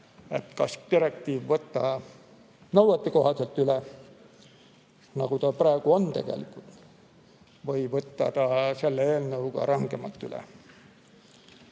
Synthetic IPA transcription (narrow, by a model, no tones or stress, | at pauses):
e̞̰t̪kɑst̪iɾek̚t̪iːvvɤt̪ˑːɑ | nɤwwet̪ːiko̞ɦɑselt̪yle | nɑɡ̥ut̪ɑprɑˑeɡ̥uo̞nt̪e̞̰ɡ̥ḛlikˑult̪ | vɤjvɤt̪ːɑt̪ɑse̞lːeeːlnɤwɡɑ̰ɾɑŋɡ̥emɑt̪ːˑy̰lḛ